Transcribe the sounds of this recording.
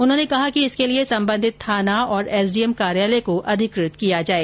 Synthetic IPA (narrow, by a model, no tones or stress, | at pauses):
ʊnɦõːnekɐɦakiɪskeliesɐ̃mbə̃nd̪ʱɪt̪ʰːaːnaɔːɾɛːsɖiɛmkaːɾjaːlekoʔɐd̪ʱɪkɾɪt̪kijad͡ʒaːeː